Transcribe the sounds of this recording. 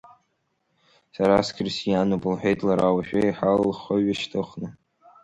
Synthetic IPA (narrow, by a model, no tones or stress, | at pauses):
saɾaskʲʰɪrsjanopʼɨlħʷᶣejtʼlaɾawaʃᶣaiħallχaɥaʃtʰʼɨχʷnɨ